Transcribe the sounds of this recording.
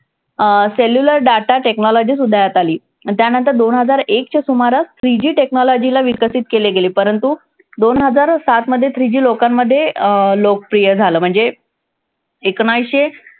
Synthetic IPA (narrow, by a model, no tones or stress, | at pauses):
seljuləɾɖaʈaʈeknɔlɔd͡ʑiːs̬ud̪ʱːajat̪aliː | t̪janənt̪əɾd̪onɦəd͡zaɾekt͡ɕasumaɾast̪ʰɾid͡ʑiːʈeknɔlɔd͡ʑilaʋikəsiːt̪̚keleɡeliːpəɾənt̪u | d̪onɦəd͡zaɾsat̪məd̪ʱːjet̪ʰɾid͡ʑiːlokamːəd̪ʱːjelok̚pɾijəɾd͡zʱaləːm̤əɳd͡ze | ekɳ̃ajɕe